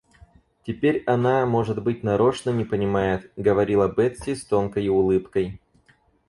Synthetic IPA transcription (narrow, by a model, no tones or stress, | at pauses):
tʲɪpʲeɾʲɐnamo̞ʐɨd̪bɨt̚ʲnɐɾo̞ʂnənʲɪpənʲɪmajɪt̪ɡəvɐɾʲilˠɐbɛt̪sʲɪst̪o̞nkəjɪʊlˠɨpkəj